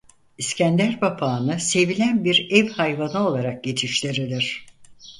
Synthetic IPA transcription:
iscænd̪æɾbapʰaːnɯse̞vilʲænbiɾɛvhajvanɯo̞lˠaɾak̚ɟe̞t͡ʃʰiʃt̪ʲiɾilʲiɾ̝̥

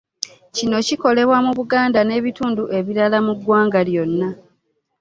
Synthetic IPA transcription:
cino̞ciko̞le̞βwamuβuɡaːndane̞ːβituːnduʔe̞βiɾalamuɡːwaːŋɡaljo̞nːa

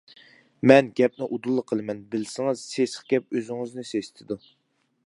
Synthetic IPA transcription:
mɛnɡʲɛp̚nɪʔud̪ulˠːəqʰːəlˠɨmɛnbɪlsɪŋɨz̥sesəχɡ̥ʲɛp̚øzɪŋɨznɪsest̪ʰɪd̪u

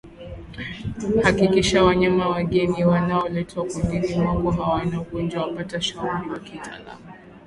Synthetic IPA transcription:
hakikiʃawaɲamawaɠɛniwanaɔlɛtʰakundinimaɡɔɦawanaɔɡɔnd͡ʒwawapataʃaamawakitʰa̰la̰ma

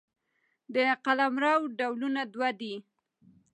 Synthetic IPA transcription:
d̪əqalamɾawɖawlunad̪wad̪i

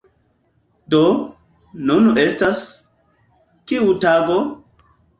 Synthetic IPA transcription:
do | nune̞stas | kiutaɡo̞

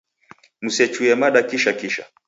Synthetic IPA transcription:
musɛt͡ʃuɛmaɗakiʃakiʃa̰

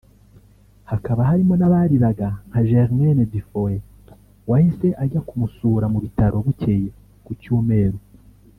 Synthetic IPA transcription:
hakaβaɦaɾimo̞naβaɾiɾaɡaŋ̥haʒeʁmenedifoe | wahise̞ʔaɟakumusuːɾamuβitaɾo̞βuce̞je | kucuːme̞ːɾo

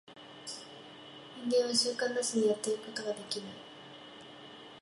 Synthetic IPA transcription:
ind̪eβaɕɨːkãnːasɨɲ̟ijat̪ːeɾɯ̟ko̞t̪oɡad̪e̞kʲinai

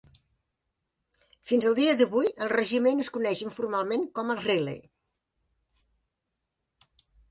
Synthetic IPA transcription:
finzəlˠd̪iəðəβujəlˠrəʒimenəskunɛʃəɱfurmalˠmeŋkɔməlˠrelḛj

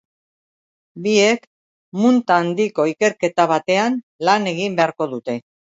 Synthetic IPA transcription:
bie̞k | munt̪aːnd̪iko̞ike̞ɾke̞t̪aβ̞at̪e̞an | lane̞ɣ̞imbe̞aɾko̞ðut̪e̞

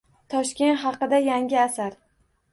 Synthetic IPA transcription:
t̪ʰɒʃkʲe̞nt̪χɑqɨd̪ajaŋɡʲɪasaɾ

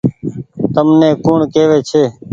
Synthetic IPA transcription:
t̪əmnẽːkoːɳkeːʋeːt͡ʃʰeː

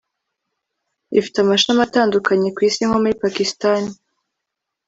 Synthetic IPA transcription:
ḭfi̥tamaʃamataːndukaɲe̞kwiːsiŋhomuipakistani

